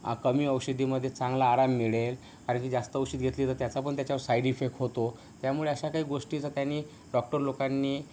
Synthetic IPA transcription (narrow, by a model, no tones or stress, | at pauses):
kəmiːəwɕəd̪ʱiməd̪ʱjet͡sãŋɡlaːɾamːiɭel | kaɾəɳkiːd͡zast̪əːəwɕiːt̪̚ɡʱet̪liːt̪əɾt̪jat͡sapəɳt̪jat͡ɕjaʋəɾsajɖifek̚ʈɦot̪o | t̪jamuɭeəɕakaɦiːɡoʂʈit͡sat̪janːiː | ɖɔk̚ʈəɾlokanːiː